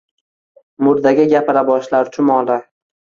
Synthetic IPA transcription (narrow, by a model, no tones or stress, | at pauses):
mʊɾd̪aɡʲɪɡʲapɪɾabɒʃlaɾt̪ʰʊmɒlˠɪ